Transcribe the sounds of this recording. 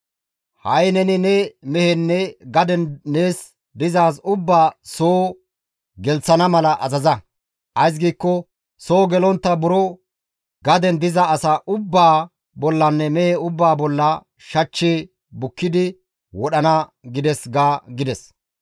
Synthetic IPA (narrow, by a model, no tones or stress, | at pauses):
hɐjnɛnɪnɛmɛhɛnːɛɡɐd̪ɛnːeːs | d̪ɪzaːsʊbːaːsoː | ɡɛlt͡sːɐnɐmɐlɐʔɐzɐzɐ | ʔɐjs̬ɡiːkːɔ | soːɡɛlɔnt̪ːɐbʊɾɔ | ɡɐd̪ɛnd̪ɪzɐːsɐʔʊbːaː | bɔlːɐnːɛmɛhɛʊbːaːbɔlːɐ | ʃɐt͡ʃːeː | bʊkːɪd̪ɪ | wɔɗɐnɐɡɪd̪ɛsɡaːɡɪd̪ɛs